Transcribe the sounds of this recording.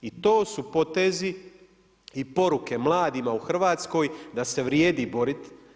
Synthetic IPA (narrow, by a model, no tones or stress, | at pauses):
it̪o̞ːsupo̞t̪ezi | ipo̞ɾuke̞mlˠaːd̪imauxr̩ʋaːt̪sko̞ːjd̪ase̞ʋɾjeːd̪ibo̞ɾit̪